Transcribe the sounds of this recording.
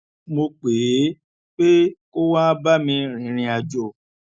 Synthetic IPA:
mo˧k͡pe˨˦ | k͡pe˦ko˦wa˦ba˦mĩ˧ɾ̃ĩ˨˦ɾ̃ĩ˧a˧d͡ʒɔ˦˨

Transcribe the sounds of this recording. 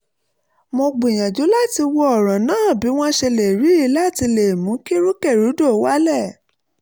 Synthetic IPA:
mõ˧ɡ͡bũ˨j̃ã˨d͡ʒu˨˦la˦ti˧wɔ˧ɔ˨ɾ̃ã˨nãː˦˨bi˨˦w̃ɔ̃˦ʃe˧le˨ɾi˨˦i˦la˦˨ti˧le˨mũ˨˦ki˦ɾu˦kɛ˦˨ɾu˨˦do˦˨˦wa˦lɛ˦˨

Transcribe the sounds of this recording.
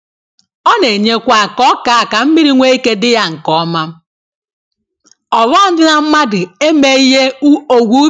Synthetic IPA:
ɔ˦ne˨ɲe˦kʷa˨kɔ˦ka˨ka˨m̩˦mi˦ɾi˦ŋʷe˦i˦ke˦dɪ˦ja˦ŋ̩˨kɔ˨˦ma˦m˦ | ɔ˨lɔ˦n̩˦dɪ˦na˨m̩˦ma˦dɪ˨e˦me˦i˦ɦe˦u˦o˨ɡʷu˦

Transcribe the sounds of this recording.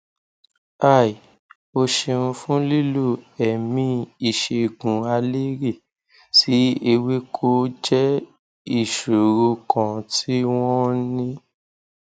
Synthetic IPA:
a˦˨i˨ | o˧ʃe˧ũ˧fũ˦li˦lu˦˨ɛ˨mĩ˧i˦˨ʃe˧ɡũ˨a˧le˦ɾe˦˨ | si˦e˧we˦kʰo˦d͡ʒɛ˦ | i˦˨ʃo˨ɾu˧kã˨tʰi˦w̃ɔ̃˦nĩ˦

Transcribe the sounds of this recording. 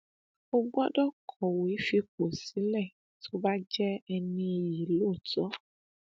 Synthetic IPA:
o˧ɡ͡bɔ˦dɔ˦kʰɔ˨we˨˦fi˧k͡po˨si˨˦lɛ˦˨ | tʰo˦ba˦d͡ʒɛ˦ɛ˧nĩ˧e˧ji˨loː˦˨tɔ˨˦

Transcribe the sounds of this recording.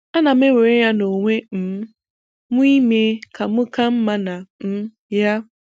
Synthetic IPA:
a˦na˨m˦e˦we˨ɾe˦ja˦no˨ŋʷe˦n̩˨˦ | mʊ˦i˦me˦kʰa˨mʊ˦ka˦m̩˦ma˦na˨m̩˦ | ja˦

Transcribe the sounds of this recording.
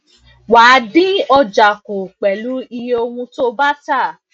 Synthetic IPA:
waː˨˦di˦ɔ˧d͡ʒa˨ko˨k͡pɛ˨lu˨˦i˧jo˧wũ˧to˦ba˦ta˦˨

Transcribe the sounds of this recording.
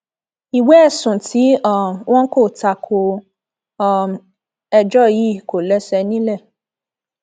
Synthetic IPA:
i˨we˦ɛ˦˨sũ˨ti˨˦ɔ˦˨mw̃ʔɔ̃˦ko˦˨ta˧˨kʰo˧ | ɔ˦˨m | ɛ˧d͡ʒɔ˦˨ji˦˨ko˨lɛ˨˦sɛ˧nĩ˦lɛ˦˨

